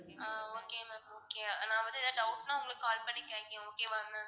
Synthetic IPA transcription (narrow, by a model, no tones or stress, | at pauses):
aːoːkeːmɛoːkenãːʋɐnd̪ɯɪðaɖɐʊʈnãːʊŋɡɐɭkːkaːlpɐɳːɪkːẽːŋɡɐoːkeːʋɐɾnɯ̃